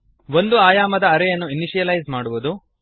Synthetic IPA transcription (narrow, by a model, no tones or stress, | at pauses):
ʋo̞nd̪uaːjaːmɐd̪ɐːɾɛjɐnːuiniʃijɐlɐjzmaːɽuʋud̪u